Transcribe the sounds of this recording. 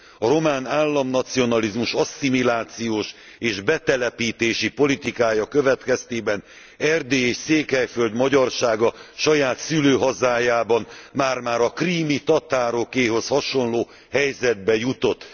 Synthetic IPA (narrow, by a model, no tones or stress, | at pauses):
ɒɾo̞maːnaːlːɒmnɒt̪sio̞nɒlizmuʃɒsːimilaːt̪sijoːʃ | eːʒbɛt̪ɛlɛpiːt̪eːʃipo̞lit̪ikaːjɒkøvɛt̪kɛst̪eːbɛn | ɛrd̪eːeːʃseːkhɛjføld̪mɒɟɒrʃaːɡɒʃɒjaːt̪syløːɦɒzaːjaːbɒnmaːrmaːɾɒkriːmit̪ɒt̪aːɾo̞keːɦo̞shɒʃo̞nloː | hɛjzɛd̪̚bɛjut̪o̞t̪ː